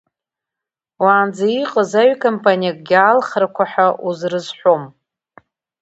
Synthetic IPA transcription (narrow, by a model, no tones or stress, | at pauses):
waːnd͡zaiqʼəzaɥkʰompʰʼanijakʼɡʲaːlχrakʷʰaħaʔuzrɨzħʷo̞m